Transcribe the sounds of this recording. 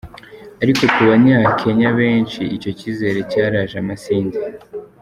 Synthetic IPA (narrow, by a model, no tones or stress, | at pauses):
aɾiko̞kuβaɲaːkʰe̞ɲaβe̞ːnt͡ʃiico̞cize̞ɾe̞caːɾaʒamasiːnzi